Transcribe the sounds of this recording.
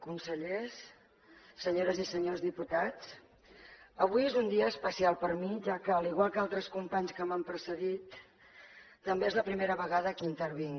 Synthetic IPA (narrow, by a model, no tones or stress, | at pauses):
kunsəʎesː | əɲoɾəzisəɲozðiput̪at͡s | əβujezund̪iəːspəsialˠpəɾmiʒakəːliɣwalˠkalˠt̪ɾəskumpaɲskəməmpɾəsəðit̪ | t̪ːəmbeezləpɾimeɾəβəɣaðəkint̪əɾβ̞iŋ